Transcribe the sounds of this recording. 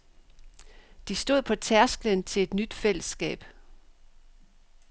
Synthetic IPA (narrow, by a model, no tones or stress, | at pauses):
d̥isd̥o̝ð̞̰ˠpʰɒ̽t͡sʰæɐsɡ̥lənt͡sʰe̝e̝d̥nyd̥fel̰əsːɡ̥ɛ̰ːb̥